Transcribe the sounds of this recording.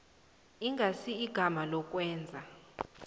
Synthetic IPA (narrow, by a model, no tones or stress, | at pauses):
iŋɡʱasiiɡ̥ʱamalɔkʼwɛːnd͡zʱa